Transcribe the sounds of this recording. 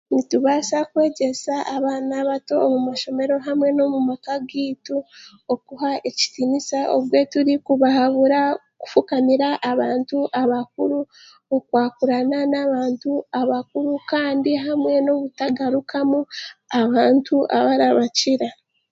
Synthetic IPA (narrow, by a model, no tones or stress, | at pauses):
nituβasakwe̞ːɟe̞saʔːβaːnaβato̞ːmumaʃo̞me̞ɾo̞ɦamwe̞no̞mumakaɡiːtu | okuhaʔe̞ci̥tinisaʔo̰βwe̞tuɾikuβahaβuɾa | ku̥fukamiɾaʔːβaːntuʔaβak̚uɾu | okwaːkuɾananaβaːntuaβak̚uɾukaːndiɦamwe̞no̞βutaɡaɾukʰamuaβaːntuʔa̰βaɾaβaciɾa